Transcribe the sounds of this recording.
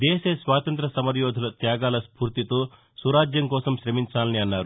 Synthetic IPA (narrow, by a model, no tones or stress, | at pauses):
d̪ɛːsɐsʋaːt̪ɐnt̪̬ɾɐsɐmɐɾjoːd̪ʱɐlɐt̪jaːɡaːlɐspuːɾt̪it̪oː | suɾaːd͡ʒjɐmkɔːsɐmʃɾɐmiɲt͡ʃaːlɐniɐnːaːɾu